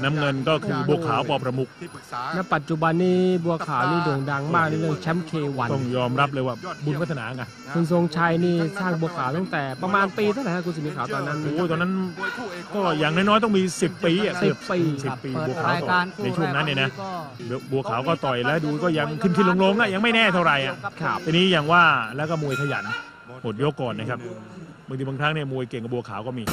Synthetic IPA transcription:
na˦˥mŋɤ˧nkɔː˥˩kʰɯː˧bu˧ɐkʰaː˩˦wpɔː˧pɾa˧mu˦˩k̚na˦˥pa˨˩t̪̚t͡ɕu˨˩ba˧nːiː˩bu˧ɐkʰaː˩˦wniː˥˩du˨˩ŋda˧ŋmaː˥˩k̚na˧jlɯ˥˩əŋt͡ɕʰɛ˦˥mkʰeː˧wa˨˦t̪ɔ˥˩ŋjɔː˧mɾa˦˥p̚lɤː˧jwaː˥˩bu˧npʰa˦˥t̪ʰa˧naː˩˦˧ka˧˩n | kʰu˧ns̬o˧ŋt͡ɕʰa˧jniː˥˩saː˥˩ŋbu˧ɐkʰaː˩˦wt̪aː˥˩ŋt̪ɛː˨˩pɾa˧maː˧npiː˧t̪ʰa˥˩na˨˦a˥˩ku˧nsi˨˩˦mi˧˥kʰaː˩˦wt̪ɔː˧nːa˦˥noː˧˦˩jt̪ɔː˧na˦˥n | kɔː˥˩jaː˨˩ŋnaː˧˥˩nɔː˦˥˩jt̪ɔ˥˩miː˧si˨˩pːiː˧a˨˩si˨˩pːpiː˧si˨˩pːiː˧bu˧əkʰaː˨˩˦wt̪ɔː˨˩na˧jt͡ɕʰu˥˩ə˨ŋna˦˥nːi˥˩na˦˥ | e˧˩bu˧ɐkʰaː˩˦wkɔː˥˩t̪ɔ˨˩jlɛː˦˥duː˧kɔː˥˩ja˧ŋkʰɯ˥˩nkʰi˧˩nlo˧ŋlo˧ŋʔa˨˩ja˧ŋma˥˩jnɛː˥˩t̪ʰa˥˩wɾa˧jʔa˨˩ʔʰt̪aː˧niː˦˥ja˨˩ŋwaː˥˩lɛː˦˥kɔː˥˩mu˧əjk̪ʰa˧˩ja̰˨˩˦n | mo˨˩t̪̚jo˦˥kːɔː˨˩nːa˦˥kʰa˦˥p̚ | bŋt̪i˧ŋt̪ʰa˦˥ŋni˥˩ɐmu˧əjke˨˩ŋka˨˩bu˧əkʰaː˨˩˦wkɔː˥˩miː˧

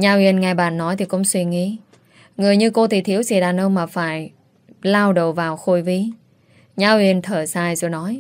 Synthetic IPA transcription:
ɲaː˧wi˧˩ənŋaː˨˩jɓa̰ː˧˨nːɔ˨˦jt̪ʰi˨˩kʊ̰˧˥wŋ͡mswi˧ŋḭ˧˥ | ŋɨ˨˩əjɲɨ˧ko˧t̪ʰi˨˩t̪ʰi˨˦əwsi˧˩ɗaː˨˩nʔə˧wŋ͡mmaː˨˩faː˧˩j | laː˧wɗə˨˧˨wvaː˨˩wxo˧˩jvi˧ | ɲaː˧wi˧˨ənt̪ʰəː˧˩saː˧˩jzo˨˩jnɔ˨˦j

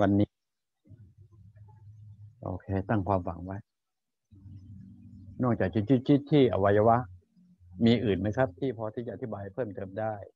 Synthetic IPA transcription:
wa˧nːiː˦˥ | ʔo̰ː˧kʰeː˧t̪a˥˩ŋkʰwaː˧mfa˩˦ŋwa˦˥˩j | nɔː˥˩ŋt͡ɕaː˨˩k̚t͡ɕi˦t͡ɕi˦˥t̪̚t͡ɕi˦˥t̪ʰːiː˥˩ʔa̰˧wa˧ja˧wa˦˥ʔ | miː˧ʔɯː˨˩nma˦˥˩jkʰa˦˥p̚t̪ʰiː˥˩pʰɔː˧t̪ʰiː˥˩t͡ɕa˨ʔa˧t̪i˦˥baː˧jpʰɤː˥˩mt̪ɤː˧mdaː˥˩j

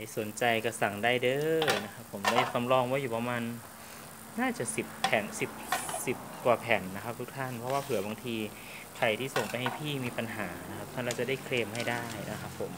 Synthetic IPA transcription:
a˥˩so˨˩˦nt͡ɕa˧jka˧˩sa˨˩ŋdaː˥˩jdɤː˧˩na˦˥kʰa˦˥pʰːo˩˦mda˥˩jka˧mlɔː˧˨ŋwɔː˧˥˦juː˨˩pa˧maː˧nː | aː˥˩t͡ɕa˨˩si˨˩p̚ʰːɛː˨˩nsi˨˩p̚si˨˩p̚kwaː˨˩pʰɛː˨˩nːa˦˧kʰa˦˥p̚t̪ʰu˦˥k̚t̪ʰa˥˩npʰɔ˧waː˥˩pʰɯ˨˩˦ɐbaː˧ŋt̪ʰiː˧ | kʰa˨˩jt̪ʰiː˥˩so˨˩ŋpa˧jha˧˩jpʰiː˥˩miː˧pa˧nɦaː˩˦na˦˥kʰa˦˥p̚t̪ʰa˥˩nla˧˥w̚t͡ɕa˨˩da˥˩jkʰleː˧mha˥˩jdaː˥˩jna˦˧˩kʰa˦˥pʰːo˨˩˦m

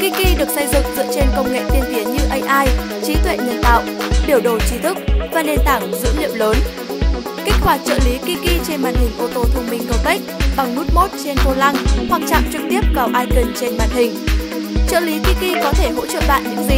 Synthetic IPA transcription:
ki˧ki˧ɗɨ˨˩ək̚sə˧jzɨ̰˧˨ŋzɨ̰˧˨ət͡ɕe˧nkə˧wŋ͡mŋḛ˧˨t̪i˧ənt̪i˨˦ənɲɨ˧ʔə˧jʔaː˧j | t͡ɕi˨˦t̪wḛ˧˨ɲə˨˩nt̪a̰ː˧˨wʔɓi˧˩əwɗo˨˩t͡ɕi˨˦t̪ʰɨ˦˥k̚vaː˨˩ne˧nt̪aː˧˩ŋzɨ̰˧˥lḭ˧˨əwləː˨˦n | ki˦˥k̟̚kwaː˨˩t͡ɕə̰ː˧˨li˨˦ki˧ki˧t͡ɕe˧nma̰ː˧˨nhï˨˩ŋ̟ʔo˧˩ət̪o˧˩t̪ʰə˧ŋ͡mmï˧˩ŋ̟kə˧wka˦˥jk̟̚ɓa˨˩ŋnu˦˥t̚mo˦˥t̚t͡ɕe˧nko˧la˧ŋhwa˨˩k̚t͡ɕa̰ː˧˨mt͡ɕɨ˨˩k̚t̪i˦˥əp̚vaː˨˩wʔaː˧jkə˧˩nt͡ɕe˧nma̰ː˧˨nhï˨˩ŋ̟ | t͡ɕə̰ː˧˨li˨˦ki˧ki˧kɔ˨˦t̪ʰe˧˩ɦo̰˧˥t͡ɕə̰ː˧˨ɓa̰ː˧˨nɲɨ̰˧˥ŋzï˨˩

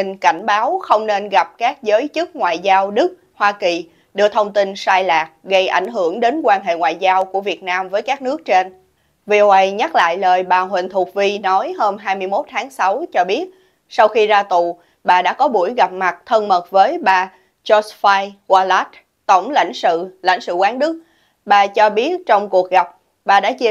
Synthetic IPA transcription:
i˨˩ŋ̟ka˧˩jŋ̟ɓaː˨˦wxə˧wŋ͡mne˧nɣa˨˩p̚kaː˦˥k̚zəː˨˦jt͡ɕɨ˦˥k̚ŋwa̰ː˧˨jzaː˧wɗɨ˦˥k̚ | hwaː˧ki˨˩ | ɗɨ˨˧˩ət̪ʰə˧wŋ͡mt̪i˧nsaː˧jlaː˨˩k̚ɣə˧jʔa̰˧˩jŋ̟ɦɨ˧˩əŋɗe˨˦nkwaː˧nɦḛ˧˨ŋwa̰ː˨jzaː˧wku˧˩əvi˨˩ət̚naː˧mvəː˨˦jkaː˦˥k̚nɨ˦˥ək̚t͡ɕe˧n | vi˧ʔo˧ʔə˧jɲa˦˥t̚la̰ː˧˨jləː˨˩jɓaː˨˩ɦwï˨˩ŋ̟t̪ʰu˨˩k̚vi˧nɔ˨˦jɦəː˧mɦaː˧jmɨ˧əjmo˦˥t̚t̪ʰaː˨˦ŋsa˨˦wt͡ɕɔ˧ɓi˦˥ət̚ | sa˧wxi˧zaː˧t̪ṵ˧˨ | ɓaː˨˩ɗa̰ː˧˥kɔ˨˦ɓu˧˩əjɣa˨˩p̚ma˨˩t̚t̪ʰə˧nmə˨˩t̚vəː˨˦jɓaː˨˩ | t͡ɕɔ˧˦sfaː˧jɣwaː˧laː˦˥t̚ | t̪ə˧˩wŋ͡mla̰˧˩jŋ̟sɨ̰˧˨la̰˧jŋ̟sɨ̰˧˨kwaː˨˦ŋɗɨ˦˥k̚ | ɓaː˨˩t͡ɕɔ˧ɓi˦˥ət̚t͡ɕɔ˧wŋ͡mku˨˩ək̚ɣa˨˩p̚ | ɓaː˨˩ɗa̰ː˧˥t͡ɕi˧

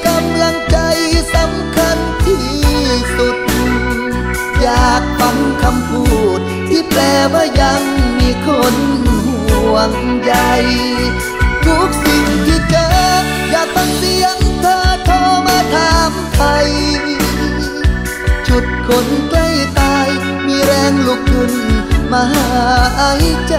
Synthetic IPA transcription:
ka˧mla˧ŋt͡ɕa˧jsa˨˧˦mkʰa˧n | t̪ʰiː˧˩su˨˧˩t̪̚n˧ŋ | jaː˨˩k̚fa˧˥ŋkʰa˧mpʰuː˧˩t̪̚ːiː˧˩plɛː˧˩waː˧˩ja˧ŋmiː˧kʰo˧˥nhu˨˩˨ən | ja˧j | t̪ʰu˧˥k̚si˧˩ŋt̪ʰiː˧˩t͡ɕəː˧˦ | jaː˨˩k̚t̪a˧˩ŋt̪i˧əŋt̪ʰɤː˧t̪ʰɔː˧˥maː˧˩t̪ʰaː˧mp̪ʰa˧j | t͡ɕu˨˩t̪̚kʰo˨˥nkla˧˩jt̪aː˧j | miː˧ɾɛː˧ŋlu˧˩k̚ku˧nmaː˧˥˧ʔa˧˥jt͡ɕa˧˩

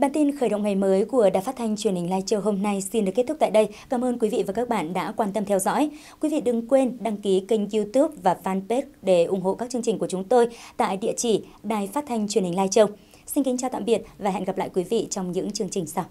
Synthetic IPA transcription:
ɓaː˨˩nt̪i˧nxəː˧˩jɗə̰˧˨ŋ͡mŋa˨˩jməː˨˦jku˧˩əɗaː˨˩faː˦˥t̚t̪ʰa˧jŋ̟t͡ɕwi˨˩ənhi˨˩ŋ̟laː˧jt͡ɕə˧wɦo˧mna˧jsi˧nɗɨ˨˩kːt̪̚ʰt̪aː˧˨jɗə˧jkaː˨˦mʔəː˧nkwi˨˦vḭ˧˨vaː˨˩ka˦˥k̚ɓa̰ː˧˨nɗa̰ː˧˥kwaː˧nt̪ə˧mt̪ʰɛ˧wzɔ̰˧˥j | kwi˨˦vḭ˧˨ɗɨ˨˩ŋkwe˧nɗa˧ŋki˨˦kï˧ŋ̟zu˧t̪u˦˥p̚vaː˨˩faː˧npe˦˥k̚ɗe˧˩ʔʊ˨˩ŋ͡mɦo̰˧˨kaː˦˥k̚t͡ɕɨ˧əŋt͡ɕï˨˩ŋ̟ku˧˩ə˩t͡ɕʊ˨˦ŋ͡mt̪o˧jt̪a̰ː˧˨jɗḭ˧˨ət͡ɕi˧˩ | ɗaː˨˩jfaː˦˥t̚t̪ʰa˧jŋ̟t͡ɕwi˨˩ənhï˨˩ŋlaː˧jt͡ɕə˧w | si˧nkï̟˨˦t͡ɕaː˧t̪a̰ː˧˨mɓi˨˩ət̚vaː˨˩ɦɛ̰˧˨nɣa˨˩p̚la̰ː˧˨jkwi˨˦vḭ˧˨t͡ɕɔ˧wŋ͡mɲɨ̰˧˥ŋt͡ɕɨ˧əŋt͡ɕï˨˩ŋ̟sa˧w

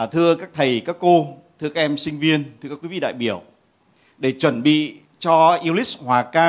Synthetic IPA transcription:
t̪ʰɨ˧əkaː˦˥k̚t̪ʰə˨˩jkaː˦˥kːo˧t̪ʰɨ˧kaː˦˥k̚ʔɛ˧msï˧ŋ̟vi˧ənt̪ʰɨ˧kaː˦˥kwi˨˦vḭ˧˨ɗa̰ː˧˨jɓi˧˩əw | ɗe˧˩t͡ɕwə˨˧˩nɓḭ˧˨ | t͡ɕɔ˧ʔi˧ə˧wli˦˥shwaː˨˩kaː˧

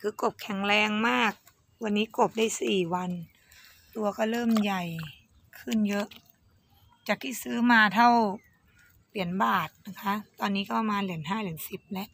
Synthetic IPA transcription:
kʰɯː˧ko˨˩p̚kʰɛ˨˩˦ŋlɛː˧ŋmaː˥˩k̚ | wa˧nːiː˦˥ko˨˩p̚daː˥˩jsiː˨˩wa˧n | t̪u˧ɐkɔː˥˩lɤː˥˩mja˨˩j | kʰɯ˥˩njɤ˦˥ʔ | t͡ɕa˨˩k̚iː˥˩sɯː˦˥maː˧t̪ʰa˥˩w | pli˩˦ənbaː˨˩t̪̚na˦˧˥kʰa˦˥t̪ɔː˧nːiː˦˥kɔː˥˩pa˧maː˧nli˨˩˦ənɦaː˥˩lɯ˩˦ənsi˨˩p̚lɛ˦˥ʔ

